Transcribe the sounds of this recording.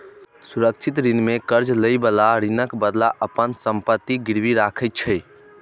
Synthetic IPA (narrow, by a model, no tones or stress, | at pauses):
suɾək̚t͡ʃʰit̪ɾinmekəɾd͡ʒləjbəlaɾinəkbəd̪laʔəpənsəmpət̪ːiɡiɾbiɾakʰət̪̚t͡ʃʰəj